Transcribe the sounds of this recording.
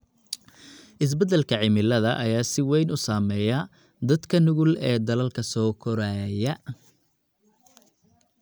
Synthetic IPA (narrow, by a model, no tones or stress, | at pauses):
ʔɪs̬bɐd̪ɛlkʰɐʕɪmɪlɐðɐʔɐjaːsɪwɛjnʊsaːmɛːjɐ | d̪ɐd̪kʰɐnʊɣʊlɛːd̪ɐlɐlkʰɐsɔːkʰɔɾaːjɐ